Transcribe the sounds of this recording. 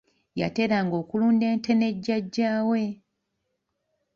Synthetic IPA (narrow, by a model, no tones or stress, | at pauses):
ja̰te̞ɾaːŋɡo̞ːkuluːnde̞ːnte̞ne̞ɟːaɟːaːwe̞